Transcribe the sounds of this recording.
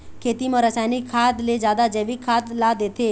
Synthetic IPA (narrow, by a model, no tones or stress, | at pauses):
kʰet̪iməɾəsajnikʰːat̪led͡ʒjad̪ad͡ʒeʋikʰːat̪lad̪et̪ʰe